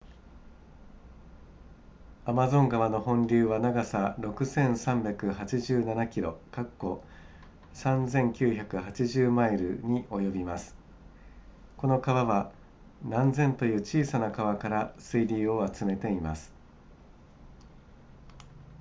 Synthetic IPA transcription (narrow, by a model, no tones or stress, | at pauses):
amazõ̞ŋɡaβano̞ɦõ̞ɲɾʲɨːβanaɡasaɾo̞kɯ̟sẽ̞ɰ̃sãmbʲjakɯ̟hat͡ɕiʑɨːnanakʲiɾo̞̰kakːo̞ | sãnd͡zẽ̞ŋkʲɨːçakɯ̟hat͡ɕiʑɨːmaiɾɯ̟̰ɲ̟iʔo̞jo̞bʲimasɨ̥ | ko̞no̞kaβaβa | nãnzẽ̞nt̪o̞jɯ̟ːt͡ɕiːsanakaβakaɾasɨidʲiːo̞at͡sɨme̞t̪e̞imasɨ̥